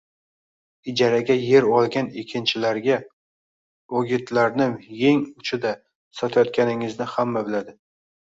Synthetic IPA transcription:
ɪd͡ʒaɾaɡʲaje̞ɾɒlˠɡʲanekʲʰɪnt͡ʃʰɪlaɾɡʲa | oɡʲɪt̪ʰlaɾnɪmje̞ŋʊt͡ʃʰɪd̪a | sɒt̪ʰajɒt̪̚kʲanɪŋɪznɪhamːabɪlad̪ɪ

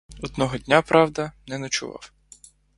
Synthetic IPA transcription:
ɔd̪nɔɦɔdʲnʲapɾʔɑwd̪ɐnɛnɐt͡ʃʊ̰ʋɑ̰w

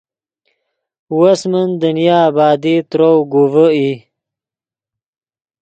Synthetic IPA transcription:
wasmənd̪ənijɑːbɑːd̪it̪ɾowɡuvəi

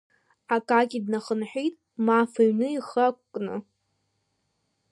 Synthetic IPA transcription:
akʼakʲʼidnaχənħʷᶣijtʼ | mafaɥnɨiχakʷʼkʼnɨ̰

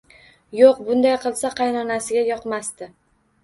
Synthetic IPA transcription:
joqbʊnd̪ajqʰɨlˠsaqʰɑjnɒnasɪɡʲajɒqmast̪ɪ

